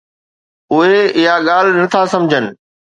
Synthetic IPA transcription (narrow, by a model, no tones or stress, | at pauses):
ʊɦeɪɦaɠaːl̤nɐt̪ʰasɐ̃md͡ʑʱənɪ̆